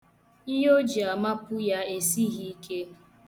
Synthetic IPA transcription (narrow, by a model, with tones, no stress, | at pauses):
i˦ɦo˦d͡ʒi˨a˨ma˦pʊ˦ja˦e˨si˦ɣi˦i˦ke˦